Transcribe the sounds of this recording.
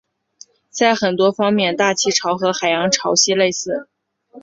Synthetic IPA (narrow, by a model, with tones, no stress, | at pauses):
t͡sa˥˩ɪxə˨˩nt̪wɔ˥fɑ˥ŋmjɛ˥˧nt̪a˥˩t͡ɕʰi˥ʈ͡ʂʰɑ˧˥ʊxɤ˧˥xa˨˩ɪjɑ˧˥ŋʈ͡ʂʰɑ˧˥ʊɕɛ˥le˥˧ɪsɹ̩˥˩